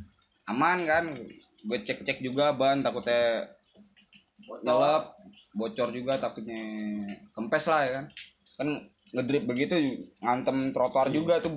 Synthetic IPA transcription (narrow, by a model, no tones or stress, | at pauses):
amankan | ɡuət͡ʃɛk̚t͡ʃɛk̚d͡ʒuɡabant̪akut̪ɛ | nələp̚bot͡ʃɔrd͡ʒuɡat̪akut̪̚ɲɛ | kəmpɛslahjakan | kan | ŋədɾɪp̚bəɡit̪uŋant̪əmt̪ɾot̪oard͡ʒuɡat̪u